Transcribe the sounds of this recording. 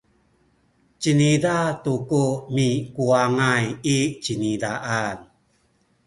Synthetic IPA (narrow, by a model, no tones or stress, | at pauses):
t͡ɕənidatukumikuaŋajit͡ɕinidaʔan